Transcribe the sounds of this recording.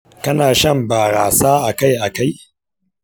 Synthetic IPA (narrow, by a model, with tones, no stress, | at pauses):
kɐ˦naː˨ʃɐ˦mbaː˨ɾa̰ː˨saː˦ʔa˨ka˦jʔa˨ka˦j